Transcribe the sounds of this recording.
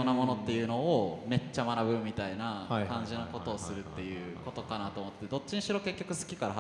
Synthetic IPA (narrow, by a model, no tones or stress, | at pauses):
onamo̞no̞t̪ːe̞jɯ̟no̞ome̞t͡ɕːamanaβɯ̟mʲit̪ainakãɲ̟d͡ʑino̞ko̞t̪o̞ːsɨɾɯ̟t̪ːe̞jɯ̟ːko̞t̪o̞kanat̪o̞ːmot̪ːet̪ed̪o̞t͡ɕːiɲ̟iɕiɾo̞ke̞kʲːo̞kɯ̟sɨ̥kʲi̥kaɾaɦ